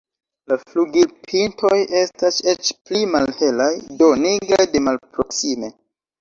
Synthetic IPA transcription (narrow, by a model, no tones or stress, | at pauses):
lafluɡilpʰintʰo̞je̞stase̞t͡ʃplimalhe̞lajdo̞niɡɾajde̞malpɾo̞ksime̞